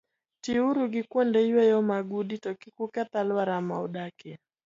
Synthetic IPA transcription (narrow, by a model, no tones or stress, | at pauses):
tiuɾuɡikwɔndɛiwɛjɔmaɡuɗitɔkikukat̪alwaɾamaɔɗakɛ